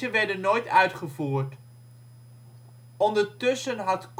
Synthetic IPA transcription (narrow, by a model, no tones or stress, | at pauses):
ənʋɛɹdənːojtœɥtχəvuːɹt | ɔndəɹtɵsənɦɑtk